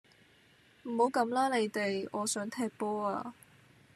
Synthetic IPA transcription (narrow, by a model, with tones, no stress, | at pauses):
m̩˨˩ho˨˥wkɐ˨˥mlaː˥le˨˧jt̪e˨jɔː˨˧sœː˨˥ŋt̪ʰɛː˧k̚pɔː˥a̰ː˧